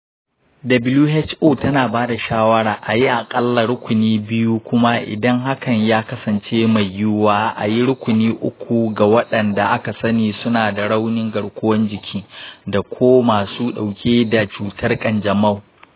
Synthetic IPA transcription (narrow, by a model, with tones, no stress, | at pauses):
dɐ˨bɪ˦luː˦hɛ˦t͡ʃʔoː˦˨tɐ˦naː˨baː˦da˨ʃaː˦wɐ˦ɽaː˨ʔa˨ji˦ʔa˨kʼɐ˦lːa˨ɾʊ˦kʷʊ˨niː˦bɪ˦ju˦kʷʊ˦ma˦ʔɪ̰˨dɐ˦ŋɦa˦kɐ˨ɲjaː˦kɐ˦sɐ˨nt͡ʃeː˦ma˨jːʊ˦waː˦ʔa̰˨ji˦ɽʊ˦kʷʊ˨niː˦ʔʊ˦kʷu˨ɡa˨wɐ˦ɗɐ˨nda˨ʔa˦ka˨sɐ˦niː˨sʊ˦naː˨da˨ɽa˦wnɪ˦ŋɡɐ˨ɽkʷʊ˦wɐ˦nd͡ʒɪ˨kʲʰiː˦da˨kʷʰoː˦maː˨suː˦ɗa˨wkʲeː˦da˨t͡ʃuː˨tʰɐ˦rkʼɐ˨nd͡ʒɐ˨mɐ˦˨w